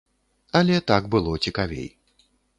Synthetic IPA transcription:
ɐlʲɛt̪aɡbɨlˠɔt͡sʲikavʲḛj

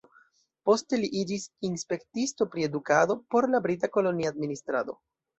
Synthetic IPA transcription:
po̞ste̞liʔid͡ʒisinspe̞ktisto̞pɾie̞dukado̞po̞ɾlabɾit̬ako̞lo̞niadministɾa̰d̪o̞̰

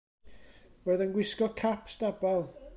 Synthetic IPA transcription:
wɛðənɡwɪskɔkʰapstabalˠ

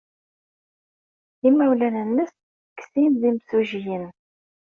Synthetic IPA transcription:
imæwlænənːəs | ksinðimsuʒijən

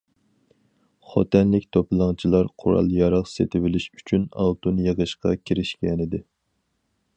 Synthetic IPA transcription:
χɑ̰t̪ʰɛnlɪkʲt̪ʰopɨlˠɑŋt͡ʃʰilˠɑɾqʰʊɾɑ̰lˠjɑɾɑʁset̪ʰɪwɪlɪʃy̥t͡ʃʰynɑ̰lˠt̪ʰunjəʁəʃqɑkʲʰiɾɪʃkʲɛnɪd̪ɪ

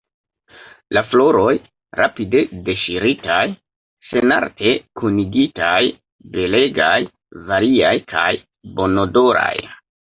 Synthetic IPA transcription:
laflo̞ɾo̞j | ɾapide̞de̞ʃiɾitaj | se̞na̰ɾtʰe̞kuniɡitaj | be̞le̞ɡaj | vaɾiajkʰa̰j | bo̞no̞do̞ɾa̰j

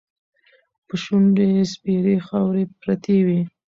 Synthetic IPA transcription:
pəʃunɖespiɾexawɾepɾat̪ewi

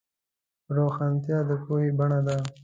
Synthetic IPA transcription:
ɾoxant̪jɑːd̪əpuhibɐɳad̪a

